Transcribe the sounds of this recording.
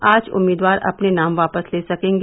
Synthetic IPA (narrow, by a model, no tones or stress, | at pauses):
aːd͡ʒʊ̰mːiːd̪ʋaːɾɐ̰pnenaːmʋaːpəsleːsɐkẽːŋɡ